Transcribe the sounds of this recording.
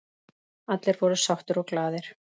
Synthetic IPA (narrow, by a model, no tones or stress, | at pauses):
at̪lɛɾvɔɾʏsawht̪ʏɾɔɣklaːðɪɾ̥